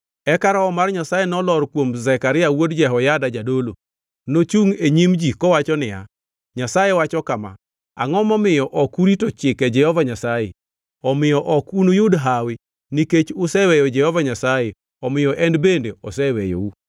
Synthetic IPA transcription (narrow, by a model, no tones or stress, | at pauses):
ɛkaɾaɔmarɲasajenɔlɔɾkwomzɛkaɾɪawodd͡ʒɛɦɔjadad͡ʒadolo | not͡ʃuŋeɲimd͡ʒikɔwat͡ʃɔnɪja̰ | ɲasajewat͡ʃɔkama̰ | a̰ŋɔmɔmɪjɔʔɔkuɾitot͡ʃɪkɛd͡ʒɛhɔvaɲasajḛ | ɔmɪjɔʔɔkunojʊdɦawɪ | niket͡ʃʊsɛwɛjɔd͡ʒɛhɔvaɲasaje | ɔmɪjɔʔɛndbendeɔsɛwɛjo̰u